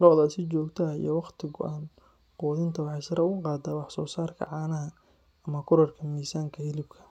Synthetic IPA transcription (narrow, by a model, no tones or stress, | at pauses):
ɾɔʕðɐsɪt͡ʃɔːɡt̪ʰɐḭjɔwɑqt̪ʰɪɣʊʔaːn | qɔːðɪnt̪ʰɐwɑħɑjsɐɾɐʊɣʊqɑːd̪aːwɑħsɔːsaːrkʰɐ̰ʕɑːnɐɦɐ | ɐmɐkʰʊɾɐrkʰɐmiːsaːŋkʰɐhɪlɪb̚kʰɐ̥